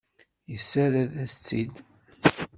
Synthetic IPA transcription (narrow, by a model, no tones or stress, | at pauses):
jəsːæɾæðæst͡sːid̪